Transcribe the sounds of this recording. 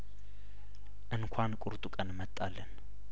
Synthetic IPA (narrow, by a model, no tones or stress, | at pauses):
ʔɨŋkʷʰankʷʼʊɾt̪ʼukʼənmət̪ʼːalːən